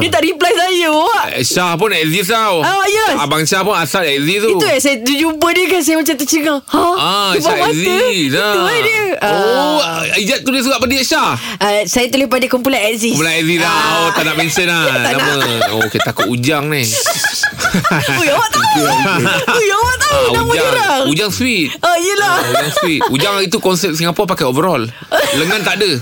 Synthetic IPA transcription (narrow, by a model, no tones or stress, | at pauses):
diət̪aʔɾiplajsajəʔɛ̰sahpʊnɛʔzit̪awajɛabaŋsapʊnasalɛʔzit̪uiujasajadud͡ʒupədiəkans̬ajamat͡ʃamt̪̬ət͡ʃəŋaaaɛʃamãtziəlaadiəəo | id͡ʒaʔt̪ːulɪhsuɡaʔpədiɛʔsah | əsajat̪ulɪhpadəkumpulanɛʔzimpulanɛʔzit̪awt̪anaʔbɛnsənaananmə̃oket̪akʊt̪ud͡ʒaŋni | jawit̪u | ujat̪auamd͡ʒaɾaud͡ʒaŋswit̪̚ajəlauaŋswit̪̚ud͡ʒaŋit̪ukɔnsɛp̚siŋapɔpakaovəɾɔl | ləŋant̪aʔdə